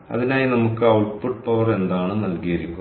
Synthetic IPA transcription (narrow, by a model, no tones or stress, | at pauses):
ɐ̰ðinaːjinɐmukːɨɐwɭfuʈpɐʋɐre̞nd̪aːɳɨnɐlkijɐɾikʲːu